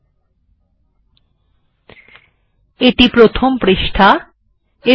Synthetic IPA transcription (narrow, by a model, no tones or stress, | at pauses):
eʈipɾot̪ʰompɾeʃʈʰa | e